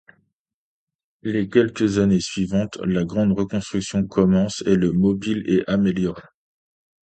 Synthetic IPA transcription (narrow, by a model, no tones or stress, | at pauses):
lekʲɛlkʲəzanesɥivɑ̃t̪laɡʁɑ̃d̪ʁəkɔ̃st̪χyksjɔ̃kʰɔmɑ̃seləmɔbileʔameljɔʁe